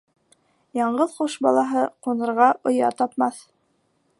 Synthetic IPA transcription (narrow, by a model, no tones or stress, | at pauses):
jɑɴɢɤðqoʃbɑ̰lˠɑɦɤqunɤ̆ɾʁɑʔŏjɑ̰t̪ɑpmɑθ